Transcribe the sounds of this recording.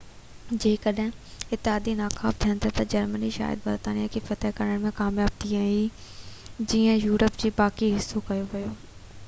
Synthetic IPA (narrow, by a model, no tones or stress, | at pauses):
d͡ʑeːɪ̃kəɗɦɪ̃ɪt̪ːɪɦaːd̪inaːkʰaːft̪ʰijənɪt̪ʰɐt̪ɐd͡ʑɐɾməniʃa̰ːjɪə̰d̪bɐɾt̪aːnijakʰifɐt̪ɛɦkɐɾəɽ̃mẽkaːmjaːb̚t̪ʰiãːi | d͡ʑiːə̃juːɾəpd͡ʑeːbaːkiɦɪsːokɐjoʋɐjoː